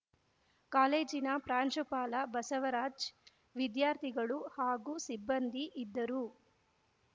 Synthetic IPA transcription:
kaːleːd͡ʒinɐpɾaːɲt͡ʃupaːlɐbɐsɐʋɐɾaːd͡ʒ | ʋid̪jaːɾt̪ʰiɡɐɭuhaːɡuːsibːɐnd̪iʔid̪ːɐɾu

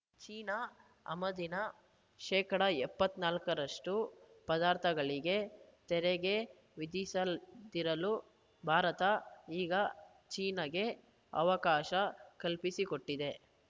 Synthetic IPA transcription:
t͡ʃiːnɐ | ɐ̰mɐd̪inɐ | ʃɛːkɐɽɐɛpːɐt̪ːnaːlkɐɾɐʂʈu | pɐd̪aːɾt̪ʰɐɡɐɭiɡe̞t̪ɛɾɛɡe̞ | ʋid̪isɐld̪iɾɐlu | bʱaːɾɐt̪ɐiːɡɐ | t͡ʃiːnɐɡe̞ | ɐ̰ʋɐkaːʃɐkɐlpisiko̞ʈːid̪e̞

